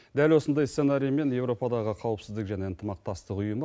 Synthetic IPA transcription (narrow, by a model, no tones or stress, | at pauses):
d̪ælwo̞sənd̪ɑjsse̞naɾijme̞nje̞wɾo̞pɑd̪ɑʁəqʰɑwəpsɪzd̪ɪkʒæne̞ənt̪əmɑq̚t̪ɑst̪əqʊjəm